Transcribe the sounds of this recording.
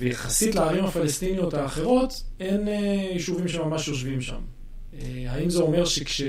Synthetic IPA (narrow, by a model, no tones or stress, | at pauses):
vejaχasitlaaʁimhafalest̪inijo̞thaːχe̞ʁo̞t̪e̞nejiʃuvimʃe̞mamaʃjo̞ʃvimʃa̰m | ehaimzeo̞me̞ʁʃekʃe